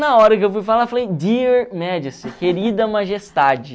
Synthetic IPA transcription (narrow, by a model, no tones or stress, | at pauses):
nɐɔɾɐkɪewfujfalaɾfalejd̪iɾmɛd͡ʒɪsĩkeɾid̪ɐmaʒest̪ad͡ʒɪ